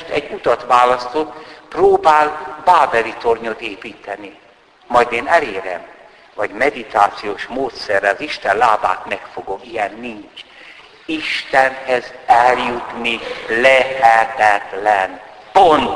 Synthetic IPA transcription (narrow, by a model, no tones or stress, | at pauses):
ʃt̪ɛɟːut̪ɒt̪ʋaːlɒst̪ot̪proːbaːlbaːvɛlit̪o̞rɲot̪eːpiːt̪ɛni | mɒjd̪eːnɛleːɾɛ̰m | vɒɟmɛd̪it̪aːt̪sijoːʃmoːt̪sɛrːɛɒziʃt̪ɛnlaːba̰ːt̪mɛkfoɡomijɛnːiɲt͡ʃ | iʃt̪ɛnhɛzɛljut̪nilɛhɛt̪ɛt̪lɛnpont̪